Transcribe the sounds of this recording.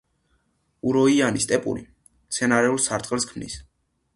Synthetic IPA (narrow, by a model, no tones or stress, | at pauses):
uɾɔianist̪ʼɛpʼṵɾḭ | t̪sʰɛnaɾɛulˠsaɾt̪ʼqʼɛlˠskʰmnḭs